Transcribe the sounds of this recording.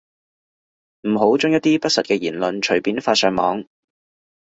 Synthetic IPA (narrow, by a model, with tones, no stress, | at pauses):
m̩˨˩ɦo˨˥wt͡sʊ˥ŋjɐ˥t̚t̪iː˥pɐ˥t̚sɐ˨t̚kɛː˧jiː˨˩nlɵ˧nt͡ʃʰɵ˨˩ɥpiː˨˥nfaː˧t̚sœː˨˧ŋmɔ̰ː˨˥ŋ